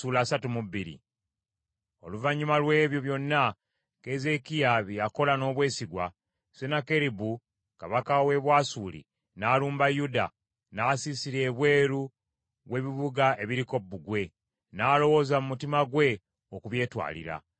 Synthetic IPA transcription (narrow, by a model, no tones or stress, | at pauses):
suːlaːsatumubiɾḭ | o̞luvaɲːumalwe̞ːβjo̞βjo̞nːa | keze̞kijaβiako̞lano̞ːβwe̞ːsiɡwa̰ | senakeɾibu | kaβakawe̞βwaːsuːlḭ | naːluːmbajuda̰ | naːsisiɾe̞ːβwe̞ːɾu | βwe̞βiβuɡae̞βiɾiko̞bːuɡwe̞ | naːlo̞wo̞zamumutimaɡwe̞ | okuβje̞ːtwa̰ːlḭɾa̰